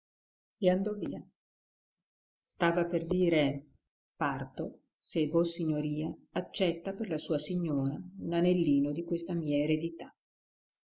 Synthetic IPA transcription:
eand̪ɔviːa | st̪aːvaperd̪iːɾe | part̪o | sevosiɲːoɾiːaːt͡ʃːɛt̪ːaperlasuːasiɲːoːɾaunanelːiːnod̪ikwest̪amiːaeɾed̪it̪a

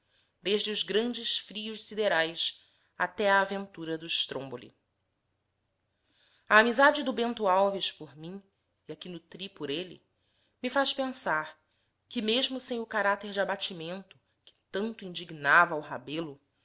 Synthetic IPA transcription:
d̪eʒd͡ʒɪʊzɡɾɐ̃nd͡ʒɪsfɾiʊʃsid̪eɾajs | at̪ɛaːvẽnt̪uɾɐd̪ʊɪʃt̪ɾõmbolḭ | aːmizad͡ʒɪd̪ʊbẽnt̪ʊawviʃpoɾmĩ | iakinʊt̪ɾipʊɾelḭ | mifaʃpẽsaɾ | kɪmeʒmʊsẽj̃ʊkaɾat̪eɾd͡ʒɪabat͡ʃimẽnt̪ʊ̥ | kɪ̥t̪ɐ̃nt̪ʊĩnd͡ʒiɡnavɐwɦabelʊ

